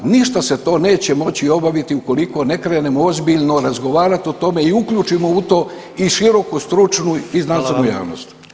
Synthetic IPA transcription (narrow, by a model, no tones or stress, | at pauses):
niʃt̪ase̞t̪o̞ːne̞ːt͡ɕe̞mo̞t͡ɕio̞baʋit̪iuko̞liko̞ne̞kɾene̞moozbiʎno̞ɾazɡo̞ʋaːɾat̪iot̪o̞me̞iukʎuːt͡ʃimo̞ut̪o̞ː | iʃiɾo̞kust̪ɾut͡ʃnuiznansenuja̰ːʋno̰st̪